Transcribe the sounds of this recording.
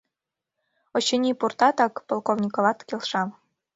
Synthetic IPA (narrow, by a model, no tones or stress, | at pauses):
ŏɕɘ̆nʲipurt̪ɑt̪ɑkpolˠkoʋnʲikŏʋɑt̪kʲelʲʃɑm